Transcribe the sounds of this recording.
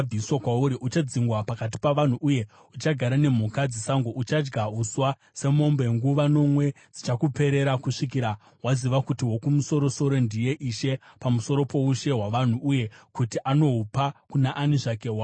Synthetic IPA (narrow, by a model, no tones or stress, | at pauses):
b͡viiswakwauɾiʔut͡ʃad͡ziŋɡwapakat̬i̥paʋan̤uʔuje̞ | ut͡ʃaɡʱaɾane̞m̤ukad͡zisaŋɡo̞ʔut͡ʃad͡ʒɡaɦuswa | se̞mo̞mbe̞ŋɡuʋano̞mwe̞ | d͡zit͡ʃakupe̞ɾe̞ɾakuʂik̬iɾa | ɦwaziʋakutiwo̞kumuso̞ɾo̞so̞ɾo̞ndije̞ʔiʃe̞pamuso̞ɾo̞po̞uʃe̞ɦwaʋan̤uuje̞kutiʔano̞upakunaʔaniʐakewa